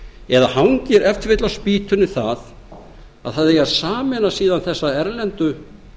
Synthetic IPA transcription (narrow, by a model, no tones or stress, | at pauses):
ɛðahawɲcɪɾɛft̪vɪt̪lawspiːt̪ʏnɪθað | a̰ðθaðejaðsaːmɛnasiːðanθɛsːaɛɾlɛnt̪ʏ